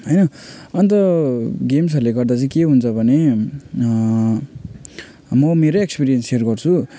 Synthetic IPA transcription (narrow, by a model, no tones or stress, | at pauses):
ɦʌjnʌʌnt̪ʌɡems̬ɦʌɾuleɡʌrd̪at͡sʌĩkeɦunt͡sʰʌbʱʌne | mʌmeɾʌekspiɾijʌnserɡʌrt͡sʰu